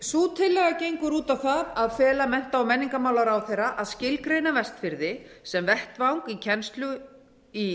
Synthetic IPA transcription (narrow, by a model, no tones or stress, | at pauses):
suːt̪ʰɪlːɛɣacejŋkʏɾuːt̪awθaðaðfɛːlamɛn̥t̪aawmɛnːiŋkamawlaɾawθejrːaʔaðscɪlkɾeːjnavɛst̪fɪɾðɪsɛmvɛht̪vawŋkicʰɛnst̪lʏ | i